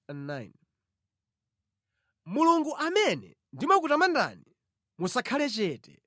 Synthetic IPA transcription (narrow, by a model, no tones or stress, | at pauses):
nnan | muluŋɡuʔamɛnɛ̰ | ndimakutamanda̰ni | musakʰalɛt͡ʃɛːtɛ